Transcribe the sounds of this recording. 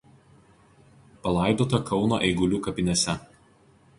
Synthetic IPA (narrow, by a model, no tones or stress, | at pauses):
pɐlˠɐˑɪd̪oːt̪ɐkɒʊno̰ʔɛɪɡʊlʲuːkɐpʲɪnʲɛsʲɛ